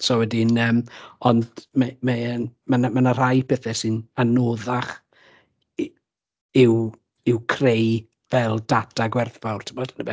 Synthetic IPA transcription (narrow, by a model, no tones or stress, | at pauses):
sowɛdɪnəːmɔndmamɛənmanamanar̥ajpʰɛθɛsɨnanoːðaχ | ɪw | ɪwkʰrej | vɛlˠd̥adaɡwɛrfawrtʰɪmɔd̥nəbɛ